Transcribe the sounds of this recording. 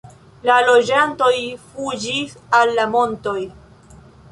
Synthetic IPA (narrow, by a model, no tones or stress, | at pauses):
lalo̞d͡ʒanto̞jfud͡ʒisalːamo̞nto̞j